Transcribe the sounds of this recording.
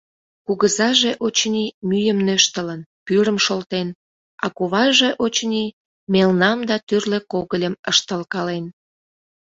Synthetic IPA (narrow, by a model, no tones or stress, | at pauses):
kuɣəzɑʒeʔot͡ɕnimyjəmnøʃt̪ələnpyɾəmʃolt̪en | ɑkoβɑʒeʔot͡ɕni | melnɑmd̪ɑt̪yrlekoɣəlʲəməʃt̪əlkɑlen